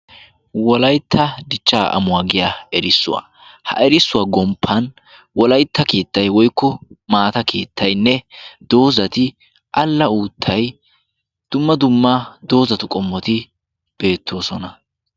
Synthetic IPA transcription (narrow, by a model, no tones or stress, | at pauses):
wɔlɐjt̪ːɐd̪ɪt͡ʃːaːʔɐ̰mʊaːɡɪjaːɛɾɪsːʊ̰wa̰ː | hɐ̰ʔɛɾɪsːʊwaɡɔmpʰːɐn | wɔlɐjt̪ʰːɐke̞ːt̪ːɐjwɔjkːɔmaːt̪ɐkʰe̞ːt̪ʰːɐjnːɛd̪̥o̞ːzɐt̪ɪ | ʔɐlːɐuːt̪ʰːɐj | d̪̥ʊmːɐd̪ʊmːɐd̪o̞ːzɐt̪ʊkʼɔmːɔt̪ɪ | b̥e̞ːt̪ʰːo̞ːsɔnɐ